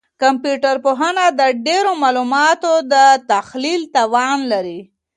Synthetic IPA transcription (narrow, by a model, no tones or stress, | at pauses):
kampjuʈaɾpoɦanad̪əɖeɾomɑlumɑt̪od̪ət̪axlilt̪awɑnlaɾi